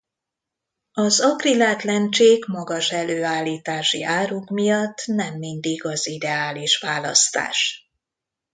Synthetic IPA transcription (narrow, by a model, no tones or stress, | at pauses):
ɒzɒɡrilaːt̪lɛnt͡ʃeːɡmɒɡɒʃɛløːaːlːiːt̪aːʃḭʔaːɾukmijɒt̪ːnɛmːind̪iɡɒzid̪ɛaːliʃʋaːlɒ̰st̪a̰ːʃ